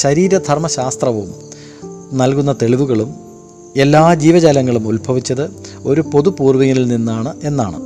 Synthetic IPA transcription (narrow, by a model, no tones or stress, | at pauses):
ɕɐɾiːɾɐd̪ʱɐrmɐɕaːst̪rɐʋum | nɐlkunːɐt̪e̞ɭiʋuɣɐɭum | e̞lːaːd͡ʑiːʋɐd͡ʑaːlɐŋːɐɭumulbʱɐʋit͡ɕːɐðɨo̞ɾupo̞ðupuːrʋiŋːililninːaːɳɨe̞nːaːɳɨ̰